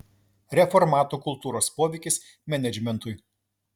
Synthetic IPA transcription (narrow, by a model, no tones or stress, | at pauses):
ɾʲɛfɔɾmɑːt̪uːkʊlˠt̪uːɾoːspoːʋʲɛɪkʲɪs | mʲɛnʲɛd͡ʒʲmʲɛnt̪ʊɪ